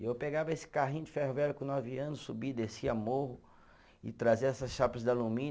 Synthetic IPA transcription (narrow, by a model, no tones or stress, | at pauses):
ewpeɡavɐesɪ̥kaɦĩj̃ʊd͡ʒɪfehovɛɾʊkõnɔviɐ̃nʊssubid̪esiamoɦʊ | ɪ̰t̪ɾaziɐɛsɐsʃapɐzd̪alumĩ